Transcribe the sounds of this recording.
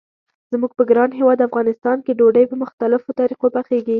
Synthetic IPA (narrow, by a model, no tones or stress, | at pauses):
z̥muɡ̚pəɡɾɑnɦewɑd̪afɣɑnɪst̪ɑnkeɖoɖəjpəmʊxt̪alɪfot̪ɑɾiqopaxeɡi